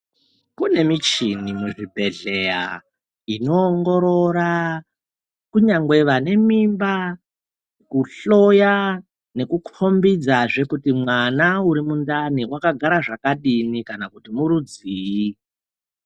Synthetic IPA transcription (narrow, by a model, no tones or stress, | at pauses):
kune̞mit͡ʃinimuʐibʱe̞ɮe̞ja̰ | ino̞ːŋɡo̞ɾoɾa | kuɲaŋɡwe̞ʋane̞mimba | kuɬo̞ja | ne̞kukʰo̞mbid͡zaʐe̞kutimwanauɾimundaniwakaɡʱaɾaʐakaɗinikanakutimuɾud͡ziːi